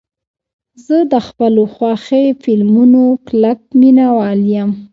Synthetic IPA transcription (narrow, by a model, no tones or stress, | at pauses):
zəd̪əxpəloxwɑxefɪlmunoklak̚minawɑljəm